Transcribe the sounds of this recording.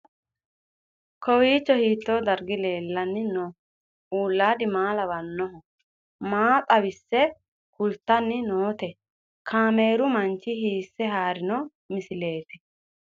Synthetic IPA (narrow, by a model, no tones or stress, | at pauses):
kʰɔwiːt͡ʃːɔhiːt̪ːoːd̪ɐɾɡɪle̞ːlːɐnːɪnɔ | uːlːaːd̪ɪmaːlɐbɐnːɔɦɔ | maːpʼɐbɪsːɛ | kʊlt̪ːɐnːɪnoːt̪ɛ | kʰaːmeːɾʊmɐnt͡ʃːɪhiːsːɛhaːɾɪnɔ | mɪsɪleːt̪ɛ